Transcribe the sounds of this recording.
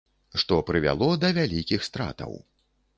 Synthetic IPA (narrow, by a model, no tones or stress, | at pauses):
ʂt̪ɔpɾɨvʲa̰lˠɔd̪ɐvʲalʲikʲixst̪ɾa̰t̪ɐ̰w